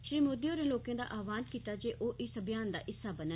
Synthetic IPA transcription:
ʃɾiːmoːd̪ioːɾẽloːkẽːd̪a̰ːʔaːʋaːnkiːt̪aːd͡ʒeːʔoːʔɪsəbjaːnd̪a̰ːʔɪsːaːbənə

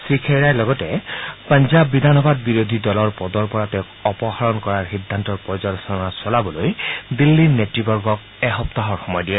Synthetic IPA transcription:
sɹikʰeɹajlɔɡɔtɛpanzabːidʱanɔbad̚biɹodʱidɔlɔɹpɔdɔɹpɔɹatɛkɔpɔxaɹɔnkɔɹaɹxidʱːantɔɹpɹɔzɔlsɔɔnasɔlabɔlojdilːinetɹibɔɹɡɔk̚ | ɛxɔptaɦɔɹxɔmɔjdiɛ

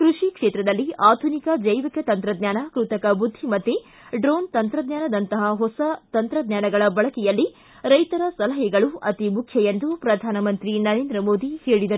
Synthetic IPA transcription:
kɾuʂikʂeːt̪ɾɐd̪ɐlːiaːd̪ʱunikɐd͡ʒɐjʋikɐt̪ɐnt̪ɾɐd̪ɲaːnɐkɾut̪ɐkɐbud̪ʱːimɐt̪ːe | ɖɾoːnt̪ɐnt̪ɾɐd̪ɲaːnɐd̪ɐnt̪ɐɦɐɦɔsɐt̪ɐnt̪ɾɐd̪ɲaːnɐɡɐɭɐbɐɭɐkɛjɐlːi | ɾɐjt̪ɐɾɐsɐlɐɦɛɡɐɭuɐt̪imukʰjɐjend̪upɾɐd̪ʱaːnɐmɐnt̪ɾinɐɾeːnd̪ɾɐmoːd̪ihe̞ːɭid̪ɐɾu

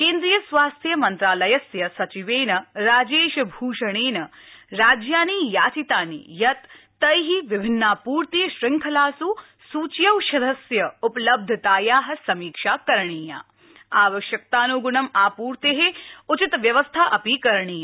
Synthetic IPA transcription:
keːnd̪ɾijɐsʋaːst̪ʰjɐmɐnt̪ɾaːlɐjɐsjɐsɐt͡ʃiʋeːnɐɾaːd͡ʒeːʃbʱuːʃɐɽ̃eːnɐɾaːd͡ʒjaːniːjaːt͡ʃit̪aːnḭjɐt̪ː | ɐjɦiʋibʱɪnːaːpuːɾt̪iːʃɾɪŋkʰɐlaːsuː | suːt͡ʃjɐwʃɐd̪ʱɐsjɐuplɐb̚d̪ʱɐt̪aːjaːɦɐ̆sɐmiːkʂaːkɐɾɳiːja̰ː | aːʋɐʃjɐk̚t̪aːnuɡuɳɐmaːpuːɾt̪eɦeut͡ʃit̪ʋjɐʋɐst̪ʰaːʔɐpiːkɐɾɳ̃iːja

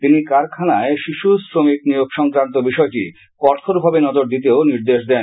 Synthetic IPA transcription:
t̪inikaɾkʰanaeʃiʃusɾomiknijoɡʃɔŋkɾant̪̬obiʃɔeʈḭ | kɔɾt̪ʰoɾbʱabenɔd͡ʑoɾd̪it̪̬eoniɾd̪eʃd̪ɛn

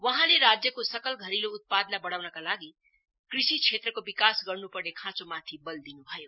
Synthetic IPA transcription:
wʌɦãleɾad͡zjəkosəkəlɡʱəɾiloːt̪̚pad̪nabəɽ̤awnʌkalaɡi | kɾisit͡ʃʰet̪ɾəkobikasɡʌɾnupəɾnekʰãt͡ʃomãt̪ʰibəld̪inubʱʌjo

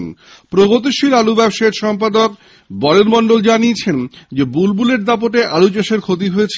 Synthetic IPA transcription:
n | pɾoɡot̪̬iʃilalubɛbʃaeɾʃɔmp̬ad̪ok | bɔleɾmɔɳɖold͡ʑaniet͡ɕʰend͡ʑebulbuleʈd̪ap̬oʈeʔalut͡ɕeʃeɾkʰot̪̬iɦojet͡ɕʰ

